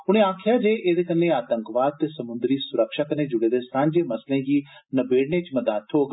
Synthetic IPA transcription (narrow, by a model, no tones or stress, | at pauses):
ʊɽ̃ẽːaːkʰɪjaːd͡ʒeːʔeːd̪eːkənːẽːaːt̪əŋkʋaːd̪̚t̪eːsəmʊnd̪ɾiːsʊɾəkʃaːkəneːd͡ʒʊɽeːd̪eːsãːnd͡ʒeːməslẽːɡiːnəbeːɽɳeːt͡ʃməd̪aːt̪ʰɦoːɡ